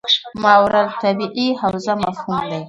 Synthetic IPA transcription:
mawɾalt̪abiʔihawzamafhumd̪aj

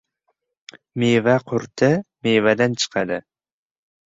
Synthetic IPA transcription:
mevaqʰʊɾt̪ʰɪmevæd̪ant͡ʃʰɨ̥qʰɑd̪ɪ

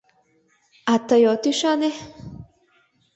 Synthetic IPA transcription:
at̪ajot̪iʃane

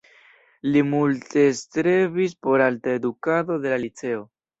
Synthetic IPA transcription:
limulte̞st̪ɾe̞vis̬po̞ɾaltaedukado̞d̪e̞lalit͡se̞o̞

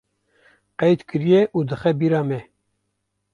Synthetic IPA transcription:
qɛjt̪kɨɾijɛʔuːd̪ɨxɛbiːɾɑːmɛ

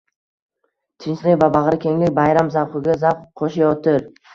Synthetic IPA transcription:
t̪ʰɪnt͡ʃlɪkʲvabaʁɾɪkʲʰe̞ŋlɪkʲbajɾamzawχɨɡʲazapχqʰoʃajɒt̪ʰɪɾ

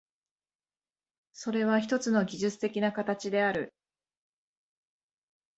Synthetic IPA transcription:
so̞ɾe̞β̞açi̥t̪o̞t͡sɨno̞ɡʲiʑɨt͡sɨ̥t̪e̞kʲinakat̪at͡ɕid̪e̞aɾɯ̟

